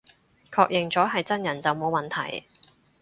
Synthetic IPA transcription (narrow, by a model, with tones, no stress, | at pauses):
kʰɔː˧k̚jɪ˨ŋt͡sɔː˨˥ɦɐ˨jt͡sɐ˥njɐ˨˩nt͡sɐ˨wmo˨˧wmɐ˨˩nt̪ʰɐ˨˩j